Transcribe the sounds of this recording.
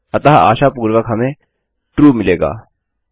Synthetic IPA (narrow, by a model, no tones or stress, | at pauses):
ɐt̪ɐɦa̰ːʃapuːɾʋəkɦɐmẽ | ʈɾuːmɪleːɡa̰ː